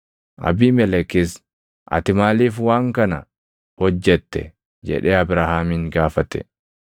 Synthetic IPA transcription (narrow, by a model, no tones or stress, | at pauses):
ʔɐ̰biːmɛlɛkɪs | ʔɐ̰t̪ɪmaːliːfwaːŋkɐnɐ̰ | hɔd͡ʒːɛt̪ːɛ̰ | d͡ʒɛ̰ᶑeːɐbɾaːhaːmiŋɡaːfɐt̪ɛ̰